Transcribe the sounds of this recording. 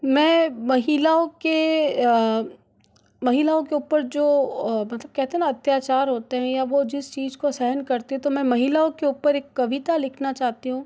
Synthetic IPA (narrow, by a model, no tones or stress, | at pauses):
mɛ̃ːmɐɦilaõke | mɐɦɪlaːõkeuːpəɾd͡ʒoːmɐt̪ləb̚kɛɦt̪eɦɛnaɐt̪jaːt͡ʃaːɾɦoːt̪eɦɛ̃jaʋod͡ʒɪst͡ʃiːzkosɛɦənkɐɾt̪eɦɛ̃t̪omɛ̃mɐɦɪlaːõkeuːpəɾeːkːɐʋɪt̪alɪkʰnat͡ʃaːɦt̪iɦũː